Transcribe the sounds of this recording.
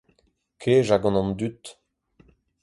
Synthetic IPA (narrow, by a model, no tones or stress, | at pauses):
kʰeːʒaɡɑ̃nɑ̃nd̪yt̪